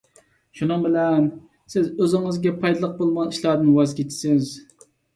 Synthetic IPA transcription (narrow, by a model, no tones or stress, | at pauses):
ʃunɨŋbɪlɛn | sɪzøzɪŋɨzɡʲɛpʰɑjd̪lˠəq̚bolˠmɑiʃlˠɑːd̪ɨnwɑzkʲʰet͡ʃʰːɪ̥sɪz